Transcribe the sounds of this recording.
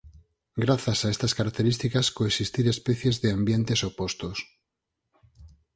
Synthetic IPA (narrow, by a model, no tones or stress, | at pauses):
ɡɾaθasaest̪askaɾak̚t̪eɾist̪ikaskoesist̪iɾespeθjezðeambjent̪esopost̪os